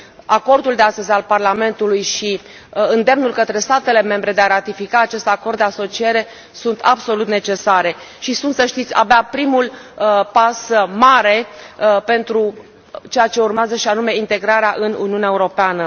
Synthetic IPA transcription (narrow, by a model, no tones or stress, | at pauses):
ako̞rd̪uld̪east̪əzʲalparlame̞nt̪ulujʃi | ɨnd̪e̞mnulkət̪ɾe̞st̪at̪e̞le̞me̞mbɾe̞d̪eaɾat̪ifikaːt͡ʃe̞st̪ako̞rd̪d̪easo̞t͡ʃie̞ɾe̞ | sunt̪abso̞lut̪ne̞t͡ʃe̞saɾe̞ʃisunt̪səʃt̪it̪sʲa̰beapɾimulpasmaɾe̞pe̞nt̪ɾu | t͡ʃe̞jat͡ʃe̞urmeazəʃianume̞int̪e̞ɡɾaɾeaʔɨnṵniunaeuɾo̞peanə